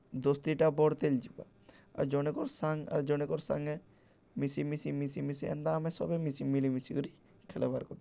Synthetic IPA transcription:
d̪ɔst̪iʈabɔɽt̪eld͡ʒiba̰ | a̰d͡ʒɔnekɔɾsaŋa̰ɾd͡ʒɔñekɔɾsã̰ŋɡɛ | misimisimisimisiɛ̰nd̪aːmɛ̃sɔ̰bemisimilimisiɡɔɾi | kʰɛlabaɾkɔt̪

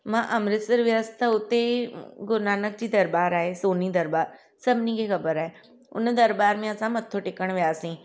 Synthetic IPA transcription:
mãːʔɐmɾɪt̪səɾʋɪʋəst̪ʰaʊt̪eɡʊɾnaːnək̚d͡ʒiːd̪ɐɾbaːɾaːeːsoːniːd̪əɾbaːɾ | səbnikekɐbəɾaːe | ʊ̰nd̪əɾbaːɾmẽɐsãːmɐt̪ʰːoʈɪkəɳ̃ʋɪaːsĩː

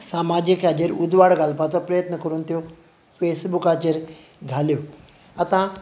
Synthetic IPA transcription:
saːmaːd͡ʑəkʰad͡ʑəɾud̪ʱʋaɽɡaːlpat̪ʰopɾɐjət̪nəkɐɾunt̪ʰijo | feːsbukaːt͡ɕeɾ | ɡʱaːlijo | ɐt̪ã

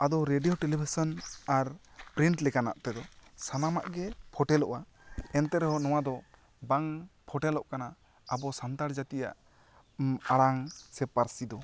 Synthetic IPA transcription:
ad̪ɔɾeɖijɔʈɛlibʱisɔnaɾpɾiɳʈlɛkana̰ʔt̪ɛd̪ɔsanama̰ʔɡɛpʰɔʈɛlɔ̰ʔa | ɛnt̪ɛɾɛɦɔnɔwad̪ɔ | baŋpʰɔʈɛlɔʔkana | abɔsant̪aɾd͡ʒat̪ija̰ʔ | aɽaŋsɛpaɾsid̪ɔ

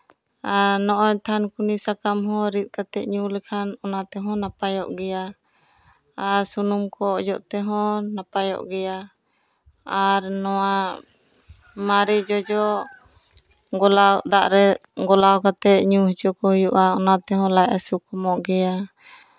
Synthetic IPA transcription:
aɾnɔʔɔɲt̪ʰankunisakamɦɔ̃ɾit̪̚ˀkat̪ɛʔ̪̚ɲulɛkʰanɔnat̪ɛɦɔ̃napajɔ̰ʔɡɛja | aɾsunumkɔd͡ʒɔʔt̪ɛɦɔ̃napajɔ̰ʔɡɛja | aɾnɔwa | maɾid͡ʒɔd͡ʒɔ | ɡɔlad̪aʔɾɛɡɔlawkat̪ɛt̪̚ɲuɦit͡ʃɔkɔhujuʔaɔnat̪ɛɦɔ̃lajasukɔmɔʔɡɛja

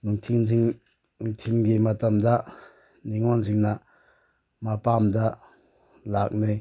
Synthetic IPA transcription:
nuŋtʰinsiŋ | uŋtʰiŋɡimatamd̪a | niŋɔnsiŋna | mapamd̪a | lak̚nɯj

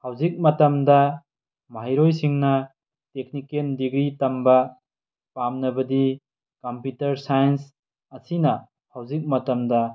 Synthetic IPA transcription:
hawzik̚mɐtɐmdɐ | maɦiɾojsiŋnɐ | tek̚nikendiɡɾitɐmbɐ | pamnɐbɐdi | kɐmputɐɾsajɐns | ɐsinɐ | hawzik̚mɐtɐmdɐ

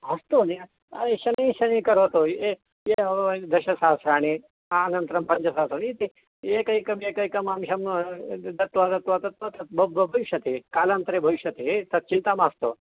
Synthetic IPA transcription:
ɐst̪one | ɐeɕɐnẽːɕɐnĩkɐɾot̪oe | jed̪ɐɕɐsaːsɾaːɳe | anɐnt̪ɾɐmpɐɲd͡ʒɐsaːsɾaniit̪i | ekɐikɐmeikɐikɐmamɕɐmd̪ɐt̪ʋat̪ɐt̪ʋat̪ɐt̪ot̪ɐt̪̚bbbʱɐʋiɕɐt̪ekaːlant̪ɾebʱɐʋiɕɐt̪eet̪ɐt̪̚t͡ʃint̪amast̪o̰

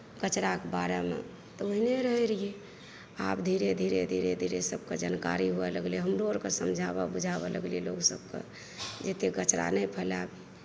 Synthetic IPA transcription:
ɡ̥ət͡ʃɾakbaɾemḛ | t̪ɔoɦineɾəɦeɾije | apd̪ʱiɾed̪ʱiɾed̪ʱiɾed̪ʱiɾesəb̚ked͡ʒanka̰ɾiɦuɛləɡlieɦəmɾoəɾkesəmd͡ʒʱaβa̰bud͡ʒʱabɛləɡlieloksəb̚kḛ | d͡ʒet̪eɡət͡ʃɾa̰nəjpʰəlabi

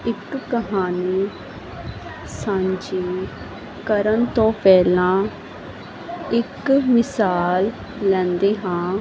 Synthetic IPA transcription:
ɪkːəɦaːniː | sãːɲd͡ʒiː | kəɾənt̪õːpɛːlãː | ɪkmɪsaːlː | ɛ̃ːnd̪eːɦãː

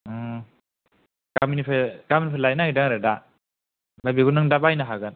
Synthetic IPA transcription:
kaminipʰekaminipʰelajnaidaŋɾɯda | babiɡunɯŋdabajnaɦaɡɯn

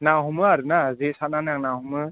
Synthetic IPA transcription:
naɦumɯaɾɯnazesananaŋnaɦumɯ

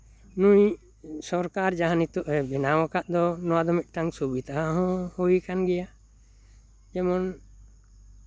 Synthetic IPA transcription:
nũj | sɔɾkaɾd͡ʒaɦanit̪ɔʔɛbɛnawãkaʔd̪ɔnɔwad̪ɔmit̪̚ˀʈaŋsubid̪ʱaɦɔ̃hujkanɡɛja | d͡ʒɛmɔn

